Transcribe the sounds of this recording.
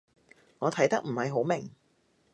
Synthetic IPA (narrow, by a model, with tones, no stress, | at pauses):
ŋɔː˨˧t̪ʰɐ˨˥jt̪ɐ˥k̚m̩˨˩hɐ˨jɦo˨˥wmɪ˨˩ŋ